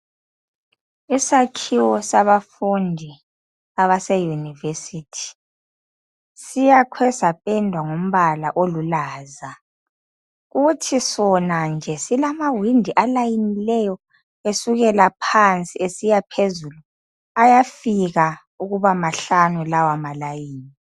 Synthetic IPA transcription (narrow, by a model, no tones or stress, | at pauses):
isakʰiwɔsaβafundʱi | aβasɛjunivesiːtʰi̥ | sijakʰwɛsapʼɛndʱwaŋom̩βala̰ʔolulaːza | ɣutʰisɔnand͡ʒʱɛsilamawindʱiʔalajinilɛjɔ | esuɣɛlapʰant͡sʼiesijapʰezulu | ajafiɣa | uɣuβamaɬanulawamalajiːni